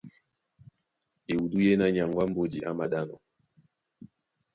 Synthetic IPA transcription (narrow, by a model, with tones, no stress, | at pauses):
e˨u˨du˦je˦na˦ɲa˨ŋɡwa˦m̩˦bo˦di˨ʔa̰˦ma˦ɗa˦nɔ̰˨